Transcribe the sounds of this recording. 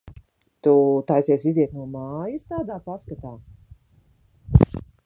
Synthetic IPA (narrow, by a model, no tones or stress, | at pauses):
t̪ut̪ajsiɛsiziɛt̪nuɔmaːjɐst̪aːd̪aːpaskat̪aː